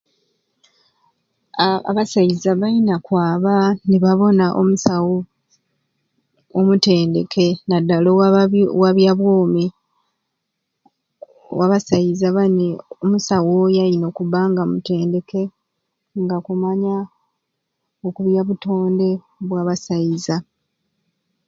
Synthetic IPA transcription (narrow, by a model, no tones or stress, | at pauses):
a̰βasajizaβainakwaːβaniβaβo̞naʔo̰musawo | mute̞ːnde̞kʰe̞nadːalowaβjaβwoːmi | waβasajizaβaneomusawojaino̞kuβaŋɡamute̞ːnde̞ke̞ | ŋɡakumaɲa | okuβjaβuto̞ːnde̞ | βwaːβasajiza